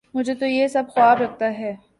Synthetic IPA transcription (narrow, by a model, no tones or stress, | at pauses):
mʊd͡ʒʱet̪ojesɐb̚xʊaːbɾɐk̚t̪aɦɛː